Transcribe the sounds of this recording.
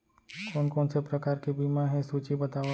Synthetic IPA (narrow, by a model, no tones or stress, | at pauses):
koːnkoːnsepɾəkaːɾkibiːmaɦɛ̃suːt͡ʃibɐt̪aː